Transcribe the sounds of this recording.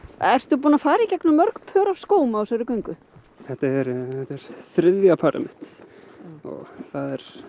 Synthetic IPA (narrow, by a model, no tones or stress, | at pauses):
ɛr̥t̪ʏp̬uːnafaːɾaicɛknʏmœɾkpʰœːɾav̥skoːwmaasɛɾʏkœɥŋkʏ | θɛt̪aɾθɛt̪ːɛɾ̥θɾɪðjapʰaɾa̰mɪt̪ | ɔ̰ɣθaðɛɾ̥